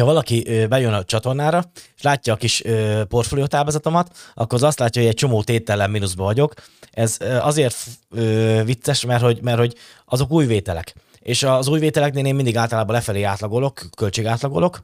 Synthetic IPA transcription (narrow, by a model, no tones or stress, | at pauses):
hɒvɒlɒkiʔøbɛjønɒt͡ʃɒt̪o̞rnaːɾɒʃlaːcːɒːkiʃøːpo̞rt̪folijot̪aːlbɔzɒt̪o̞mɒt̪ɒ̰kːoɾɒzɒst̪laːcːɒɦoɟɛc̚t͡ʃo̞moːt̪eːt̪ɛlɛmminuzbɒvɒɟo̞k | ɛzøɒzeːrt̪øːvit̪sːɛʃmɛrho̞ɟmɛrt̪ho̞ɟ | ʔɒzo̞kuːjveːt̪ɛlɛ̰k | eːʃɒzuːjveːt̪ɛlɛkneːleːmind̪iɡaːlt̪ɒlaːbɒlɛfɛleːaːt̪lɒɡo̞lo̞kːø̞lt͡ʃeːɡaːt̪lɒɡo̞̰lo̞k